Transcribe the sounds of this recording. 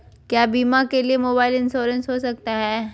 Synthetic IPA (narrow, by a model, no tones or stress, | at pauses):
kjaːbiːmakeliemoːbaːɪlɪ̃nsoːɾə̃nsɦosɐk̚t̪aɦɛː